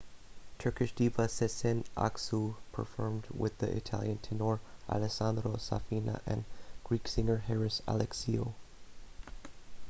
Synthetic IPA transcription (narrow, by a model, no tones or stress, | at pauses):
tʰɜ˞kɨʃd̥ivasɛsɛ̃nʔa̰ksupʰə̰˞fɔɹmdwɪðḭʔɪ̰tʰæ̰lˠjɨ̃ntʰɨnoɹʔa̰lɨsãndɾosa̰finə̰ʔɨ̰̃nɡ̥ɹiksɪ̃ŋə˞hɛɹɨsa̰lɛksio